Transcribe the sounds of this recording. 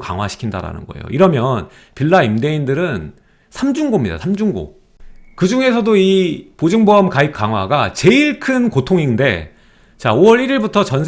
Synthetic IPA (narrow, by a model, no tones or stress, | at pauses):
ka̰ŋwaɕʰi̥kʰinda̰ɾa̰nɯ̰nɡʌḛjo̰ʔiɾʌmjʌn | piɭːaimde̞indɯɾɯn | sʰamd͡ʑuŋɡomɲida̰sʰamd͡ʑuŋɡo̰ | kɯd͡ʑuŋe̞sʰʌdoipod͡ʑɯŋboamkaik̚k͈aŋɦwaɡat͡ɕe̞iɭkʰɯnkotʰoŋinde̞̰ | t͡ɕaoʌɾiɾiɭbutʰʌt͡ɕʌnsʰ